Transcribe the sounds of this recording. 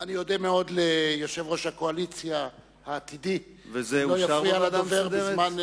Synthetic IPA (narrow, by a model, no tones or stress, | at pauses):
anijo̞demeo̞dlejoʃe̞vʁo̞ʃhako̞alit͡sja | haːt̪idi | vezelojafʁialadveʁdzman